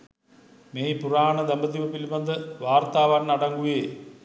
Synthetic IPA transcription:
meːjipuraːɳɐd̪ɐmbɐd̪iʋɐpilmɐnd̪ɨʋaːrt̪aːʋaːnnɐɽɐŋɡuʋeː

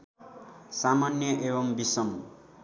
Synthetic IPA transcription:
samanjʌʔebʌmbisʌŋ

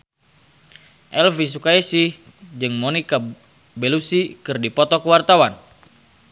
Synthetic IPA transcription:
ʔɛlvis̬ukaisih | d͡ʒɨŋmonika | bɛlusikɨrdipɔt̪ɔkəwart̪awan

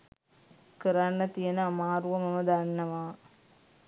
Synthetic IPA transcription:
kɨɾanːɐt̪ijɐnɐɐmaːɾuʋɐmɐmɐd̪ɐnːɐʋaː

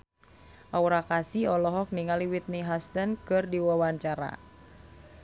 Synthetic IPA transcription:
ʔauɾakasiɔlɔɦɔk̚niŋaliwit̪̚niɦast̪ənkɨrdiwawaɲt͡ʃaɾa̰

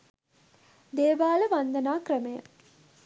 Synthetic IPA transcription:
d̪eːbaːləʋand̪ɐnaːkrɐmejə̰

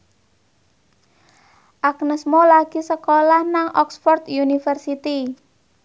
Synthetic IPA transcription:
ʔak̚nəsmolaɡ̥isəkolahnaŋʔɔ̰ksfɔrt̪junifərsit̪i

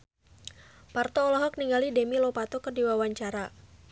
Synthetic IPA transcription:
part̪ɔːlɔɦɔk̚niŋɡalidɛmilopat̪ɔkərdiwawaɲt͡ʃaɾa

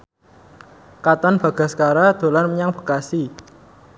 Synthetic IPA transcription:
kat̪anb̥a̤ɡ̥a̤sə̥kaɾad̪̥o̤lanməɲaŋb̥ə̤̥kasi

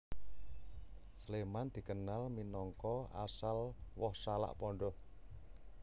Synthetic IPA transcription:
slemand̪̥i̤kənalminɔŋkɔa̰salwɔhsala̰ʔpɔɳɖɔh

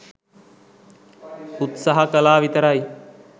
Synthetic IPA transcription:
ut̪saɦɐkəlaːʋit̪əɾɐj

